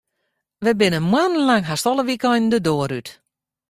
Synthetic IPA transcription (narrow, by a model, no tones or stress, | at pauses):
ʋəbɪnəmwann̩laŋɦastɔlˠəʋikɔjndədoːəɾyt